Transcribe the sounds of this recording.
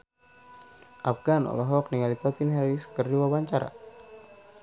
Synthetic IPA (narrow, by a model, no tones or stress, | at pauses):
ʔafɡanɔ̰lɔɦɔk̚niŋalit̪apinɦaɾisə̥kərduwabaɲt͡ʃaɾa̰